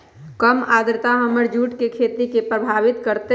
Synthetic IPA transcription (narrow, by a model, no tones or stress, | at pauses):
kəmad̪ɾət̪aɦəməɾd͡ʒuʈkekʰet̪ikepɾəbʱaʋit̪kəɾt̪e